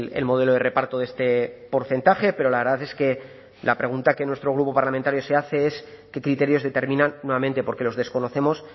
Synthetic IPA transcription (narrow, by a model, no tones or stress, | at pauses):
ḛlmo̞ð̞e̞lo̞ð̞e̞re̞paɾt̪oðe̞st̪e̞po̞ɾθe̞nt̪aχe̞pe̞ɾo̞laβe̞ɾðaθeske̞ | lapɾe̞ɣ̞unt̪ake̞nwe̞st̪ɾo̞ɣ̞ɾupo̞paɾlament̪aɾjo̞seaθe̞es | ke̞kɾit̪e̞ɾjo̞zðe̞t̪e̞ɾmĩnanːweβamẽnt̪e̞po̞ɾke̞lo̞zðe̞sko̞no̞θe̞mo̞s